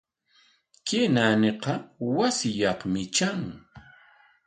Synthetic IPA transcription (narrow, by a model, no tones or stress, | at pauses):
kenanɪqɑwasɪjɑχmɪt͡ʃaŋ